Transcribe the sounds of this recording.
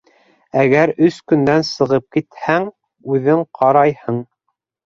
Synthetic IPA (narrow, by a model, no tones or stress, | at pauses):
æɡæɾɵskɵ̆nd̪ænsɤ̆ʁɤp̚kit̪hæŋ | ʉðɘɴqʰɑɾɑjhɤɴ